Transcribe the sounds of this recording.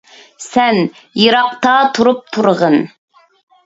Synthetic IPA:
sɛn | jɨɾɑq̚t̪ɑt̪ʰuɾup̚t̪ʰuɾʁən

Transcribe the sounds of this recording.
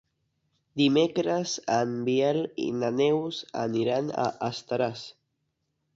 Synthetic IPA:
d̪imekɾəzambielḭnanewza̰niɾana̰ʔast̪aɾas

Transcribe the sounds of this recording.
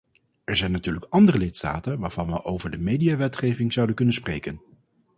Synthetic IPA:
ɛɹzɛjnatyːɹləkɑndərəlɪtsta̰ːtənʋaːɹv̥ɑnʋəʔowvəɹdəmejdijaːʋɛtχejvɪŋz̥ɑwdənkɵnənsprejkən

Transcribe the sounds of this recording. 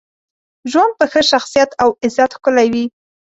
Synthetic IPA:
ʒwand̪̚pəxəʃaxsijat̪awɪzat̪xkʊlawi

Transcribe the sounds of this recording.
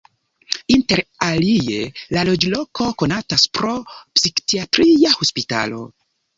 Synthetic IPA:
inte̞ɾalie̞lalo̞d͡ʒlo̞kʰo̞ko̞nataspɾo̞psikkiatɾijahospita̰lo̞̰

